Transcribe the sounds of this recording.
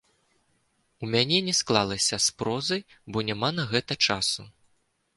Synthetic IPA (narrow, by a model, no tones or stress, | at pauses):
umʲanʲɛnʲɛsklˠalˠɐsʲɐspɾɔzɐj | bɔnʲamanɐɣɛt̪ɐt͡ʂasu